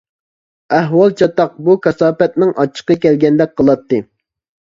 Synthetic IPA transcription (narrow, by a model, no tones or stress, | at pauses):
æɦwɑlˠt͡ʃʰɑt̪ɑq̚bukʰɛsɑːpɛt̪̚nɪŋʔɑt͡ʃʰːə̥qːɑkʲɛlɡʲɛnd̪ɛk̚ʲqʰəlˠɑt̪ːɨ